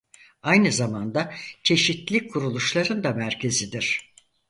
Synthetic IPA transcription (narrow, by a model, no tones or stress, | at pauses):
ajnɯzamand̪acʰe̞ʃit̪lʲikʰuɾulˠuʃlˠaɾɯnd̪amæɾcʰe̞zid̪iɾ̥